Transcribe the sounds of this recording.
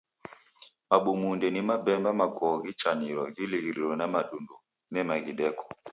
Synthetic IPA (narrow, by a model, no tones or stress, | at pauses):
maɓumundɛnimabɛmbamakɔɣit͡ʃaniɾɔɣiliɣiɾiɾɔnamaɗundu | nɛmaɣiɗɛkɔ̥